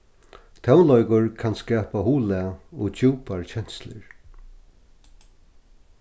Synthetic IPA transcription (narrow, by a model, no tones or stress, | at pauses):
t̪ʰawnlɔjkʊɹkʰanskɛːpahuːlɛaɔɣt͡ɕuːpaɹt͡ɕʰɛn̥slɪ̰ɹ